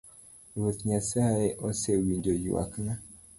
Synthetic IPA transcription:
βotɲaseaeʔosewind͡ʒojḭwa̰kna

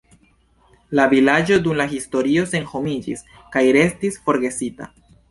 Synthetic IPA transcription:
lavilad͡ʒo̞dumlaɦisto̞ɾio̞se̞nho̞mid͡ʒis | kajɾe̞stisfo̞ɾɡe̞sita̰

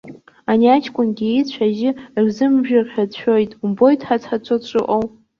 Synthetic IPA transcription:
aniat͡ʃʰkʷʼʊnɡʲiit͡ɕʷʰaʒɪrzɨmʒᶣarħᶣadʃᶣo̞jtʼumbo̞jtʰʼħat͡sʰħat͡ɕʷʰot͡ʃʷʼɨ̰ʔʼowʼ

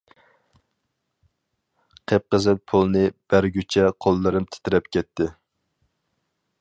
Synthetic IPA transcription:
qʰep̚qəzɨnpʰolˠnɨb̥æɾɡʲyt͡ʃʰɛqʰolˠːɨɾɨmt̪ʰɪ̥t̪ɪɾɛp̚kʲʰɛt̪ʰːɪ

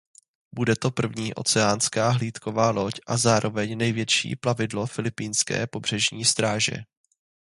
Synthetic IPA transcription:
budɛt̪o̞pr̩vɲiːʔo̞̰t͡sɛaːnskaːɦliːt̪ko̞vaːlo̞cʔazaːɾʔo̞vɛɲnɛjvjɛt͡ʃḭːplavɪdlo̞fɪlɪpiːnskɛ̰ːpo̞br̝ɛʒɲiːst̪ɾaːʒɛ̰

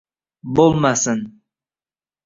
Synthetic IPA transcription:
bolˠmasɪn

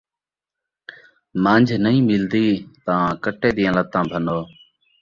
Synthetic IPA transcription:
mãːnd͡ʒʱnəĩːmɪld̪iːt̪əãːkəʈeːɗ̪ɪə̃ːlət̪ãːbʱənoː

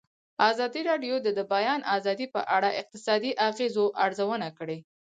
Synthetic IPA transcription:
ɑzɑd̪iɾɑɖjod̪əd̪əbajɑnʔɑzɑd̪ipə̰ʔaɽaʔɪq̚t̪ɪsɑd̪iʔaɣezoʔaɾzawənakəɽe

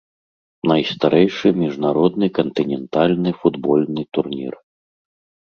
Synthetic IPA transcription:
nɐjst̪aɾʔɛjʂɨmʲiʐnaɾɔd̪nɨkɐnt̪ɨnʲɛnt̪alʲnɨfud̪bɔlʲnɨt̪urnʲḭr

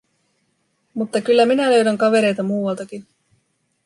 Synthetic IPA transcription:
mut̪ːɑkylːæminælø̞ɥdæŋkɑʋe̞ɾe̞jt̪ɑmuːwɑlt̪ɑkin

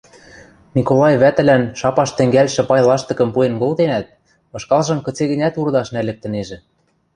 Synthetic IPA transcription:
nikolˠɑjβæt̪ɘ̆lænʃɑpɑʃt̪ɘ̆ŋɡælʲʃɘ̆pɑjlɑʃt̪ɤ̆kɤ̆mpuenɡolt̪enæt̪̚ | ɤ̆ʃkɑlˠʒɤ̆mkɤ̆t͡seɣɘ̆nʲæt̪urd̪ɑʃnælɘ̆k̚t̪ɘ̆neʒɘ̆

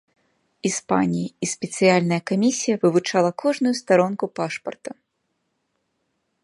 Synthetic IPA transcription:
ispa̰nʲijiisʲpʲɛt̪sɨjalʲnɐjɐkamʲisʲijɐvɨvut͡ʂalˠɐkʰɔʐnujust̪aɾɔnkupaʂpɐ̰rt̪ɐ

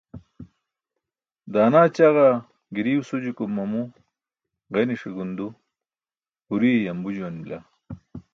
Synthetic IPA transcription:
d̪aːnaːt͡ɕaɣa | ɡiɾiːwsud͡ʑikumːɐmu | ʁeniʂiɡund̪u | huɾiejɐmbud͡ʑuwanmila̰

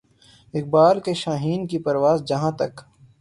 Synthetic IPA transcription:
ɪk̚baːlkeʃaːɦiːnkipɐɾʋaːzd͡ʒɐɦãt̪ɐ̰k

